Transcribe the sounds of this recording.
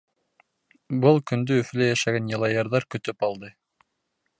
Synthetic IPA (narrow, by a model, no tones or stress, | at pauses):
bɤlˠkɵnd̪ɵːflæjæʃæɡænjɑlˠɑjɑɾðɑɾkɵ̆t̪ypɑlˠd̪ɤ